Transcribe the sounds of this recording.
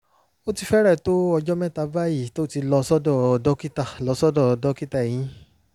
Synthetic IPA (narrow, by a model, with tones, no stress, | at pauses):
o˦ti˧fɛ˦ɾɛ˦˨to˦ɔ˧d͡ʒɔ˦mɛ̃˦ta˧ba˦ji˦˨to˦ti˧lɔ˧sɔ˦dɔ˦˨dɔ˦ki˦ta˦˨lɔ˧sɔ˦dɔ˦˨dɔ˦ki˦ta˦˨ɛ˨j̃ĩ˦